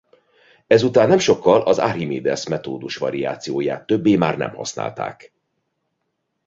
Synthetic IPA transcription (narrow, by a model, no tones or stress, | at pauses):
ɛzut̪aːnːɛmʃo̞kːɒlʔɒza̰ɾimeːd̪ɛsmɛt̪oːd̪uʃʋɒɾija̰ːt̪sijoːjaːt̪ːøbːeːmaːrnɛ̰mhɒ̰sna̰ːlt̪a̰ːk